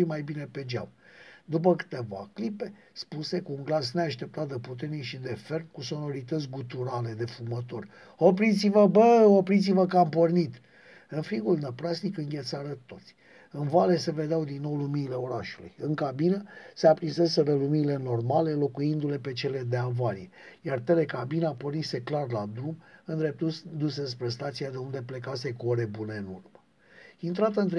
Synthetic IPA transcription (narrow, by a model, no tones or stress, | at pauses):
imajbine̞ped͡ʒa̰wd̪up̬əkɨ̥t̪e̞va̰klipe̞ | spuse̞kuːŋɡlasneaʃt̪e̞p̚t̪at̪̚d̪eput̪e̞rnikʃid̪e̞fe̞rnkuso̞no̞ɾit̪ət̪sʲɡut̪uɾale̞d̪e̞fumət̪o̞rʲ | opɾit̪sivəbəopɾit̪s̬ivəkəampornit̪ | ɨnfɾiɡulnəpɾasnikɨŋɡʲe̞t̪saɾət̪o̞t̪sʲ | ɨnvale̞se̞ve̞d̪eawd̪inːo̞wluminile̞o̞ɾaʃulṵjɨŋkabinəseapɾinse̞seɾəluminile̞no̞rmale̞lo̞kujind̪ule̞pe̞t͡ʃe̞le̞d̪e̞avalije | jart̪e̞le̞kabinapo̞rnise̞klarlad̪ɾumɨnd̪ɾe̞p̚t̪ud̪use̞s̬pɾe̞st̪at̪siad̪e̞und̪e̞ple̞kase̞koɾe̞bune̞ɨnurmə | int̪ɾat̪ənt̪ɾ